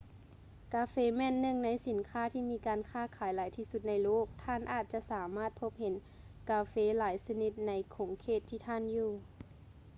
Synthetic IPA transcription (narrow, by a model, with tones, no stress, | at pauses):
kaː˧˦feː˧˦mɛː˧˥˨nːɯ˧˩˨ŋna˧˥jsi˨˩˦nkʰaː˧˥˩t̪ʰiː˧˨miː˧˥kaː˨˧nkʰaː˧˥˩kʰaː˨˩˦jlaː˨˦jt̪ʰiː˧˩su˧˦t̪̚na˧˥jloː˥˨˩k̚t̪ʰaː˧˥˨nʔaː˧˩t̪̚t͡ɕa˧˦ʔsaː˩˦maː˧˥˩t̪̚pʰo˧˥p̚he˨˦n | kaː˧feː˧˥laː˩˦jsa˧ni˧˦t̪̚na˧˥jkʰoː˩˦ŋkʰeː˧˩t̪ʰːiː˧˩t̪ʰaː˧˥˨njuː˧˩